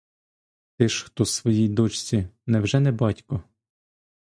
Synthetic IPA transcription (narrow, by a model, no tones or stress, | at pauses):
t̪ɪʃxt̪ɔsʋɔjijd̪ɔt͡ʃt͡sʲinɛwʒɛnɛbɑtʲkɔ